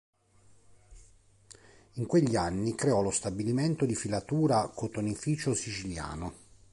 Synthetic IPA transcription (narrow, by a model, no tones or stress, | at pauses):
iŋkweʎːianːikɾeɔlost̪abiliment̪od̪ifilat̪uːɾakot̪onifiːt͡ʃosit͡ʃilja̰ːno